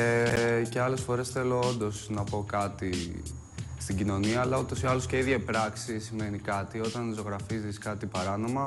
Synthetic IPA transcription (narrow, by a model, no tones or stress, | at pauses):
ece̞ɐle̞sfo̞ɾe̞sθe̞lo̞ond̪o̞snɐpo̞kɐt̪i | st̪iɟino̞niɐːlɐut̪o̞siɐlo̞sce̞iðʝɐpɾɐksisime̞nikɐt̪io̞t̪ɐnizo̞ɣɾɐfiziskɐt̪ipɐɾɐno̞mɐ